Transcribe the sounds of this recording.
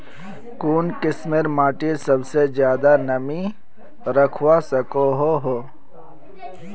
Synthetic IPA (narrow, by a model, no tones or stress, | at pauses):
kuːnkɪsmeɾmaːʈisɐbsezjaːd̪anɐmi | ɾɐkʰwasɐkoɦoɦo